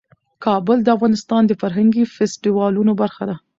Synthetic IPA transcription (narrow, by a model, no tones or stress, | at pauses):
kɑbəld̪əafɣɑnɪst̪ɑnd̪əfaɾɦaŋɡifɛsʈiwɑlunobaɾxad̪a